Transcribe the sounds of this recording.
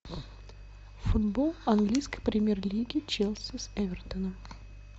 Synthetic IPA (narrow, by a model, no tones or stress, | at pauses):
fʊd̪bolˠɐnɡlʲijskəjpɾʲɪmʲerlʲiɡʲɪt͡ɕelˠsʲəsɛvʲɛrt̪ənəm